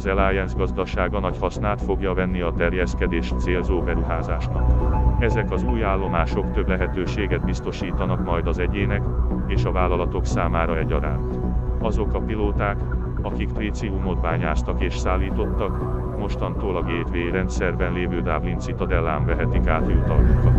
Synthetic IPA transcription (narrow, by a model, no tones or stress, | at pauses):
zɛlaːjɛnzɡɒzd̪ɒʃaːɡɒnɒchɒsnaːt̪fo̞ɡjɒvɛnːiɒt̪ɛrjɛskɛd̪eːʃt̪seːlzoːbɛɾuɦaːzaːʃnɒkɛzɛkɒzuːjaːlːo̞maːʃo̞kt̪ø̞blɛɦɛt̪øːʃeːɡɛd̪̚bist̪o̞ʃiːt̪ɒnɒkmɒjd̪ɒzɛɟeːnɛkeːʃɒvaːlːɒlɒt̪o̞ksaːmaːɾɒɛɟɒɾa̰ːnt̪ɒzo̞kɒpiloːt̪aːk | ɒkikprit̪siumo̞d̪baːɲaːst̪ɒkeːʃsaːlːiːt̪o̞t̪ːɒk | mo̞ʃt̪ɒnt̪oːlɒɡeːt̪ʋeːɾɛnt̪sɛrbɛnleːvøːd̪aːblint̪sit̪ɒd̪ɛlːaːɱvɛɦɛt̪ikaːt̪jut̪ɒ̰lːukɒ